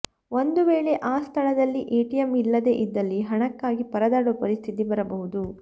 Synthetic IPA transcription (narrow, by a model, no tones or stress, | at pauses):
o̞nd̪uʋe̞ːɭe̞ʔaːst̪ʰɐɭɐd̪ɐlːiʔeːʈijɐmilːɐd̪e̞ːʔid̪ːɐlːiɦɐɳɐkːaːɡipɐɾɐd̪aːɽopɐɾist̪ʰit̪ibɐɾɐbɐɦud̪u